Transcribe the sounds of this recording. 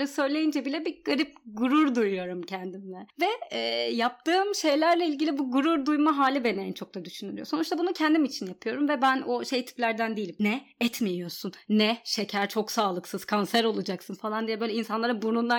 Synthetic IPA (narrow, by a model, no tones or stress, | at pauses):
ɾɯsø̞jlʲe̞jind͡ʒɛbilʲɛbiɡaɾip̚ɡuɾuɾd̪ujujo̞ɾumcʰɛnd̪imlʲɛvɛɛːjap̚t̪ʰɯːmʃe̞jlʲæɾlʲɛilʲɟilʲibuɡuɾuɾd̪ujmaɦaːlʲibenejnt͡ʃʰo̞k̚t̪ʰad̪yʃynyɾijo̞so̞nut͡ʃʃt̪ʰabunucʰɛnd̪imit͡ʃʰinjapʰɯjo̞ɾumvɛbænoʃe̞jt̪ʰi̥plʲæɾd̪ænd̪ijilʲimnɛɛt̪mejijo̞ɾsunːɛʃecʰæɾt͡ʃʰo̞ksaːlˠɯksɯz̥kʰansæɾo̞lˠud͡ʒaksɯnfalˠand̪ijɛbøjlʲɛinsanlˠaɾɯbunund̪a